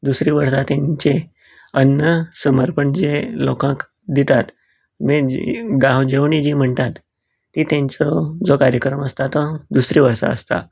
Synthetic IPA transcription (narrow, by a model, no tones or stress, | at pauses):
d̪usɾiːʋəɾsat̪jãɲt͡ɕe | ənːəsəməɾpəɳd͡ʑelɔkãk | d̪it̪at̪ | meɡãwd͡ʑeʋɳid͡ʑiːm̤əɳt̪at̪ː | iːt̪jãɲt͡sɔd͡zɔkaɾjəkɾəməst̪at̪ɔd̪usɾiːʋəɾsa̰ə̰st̪a̰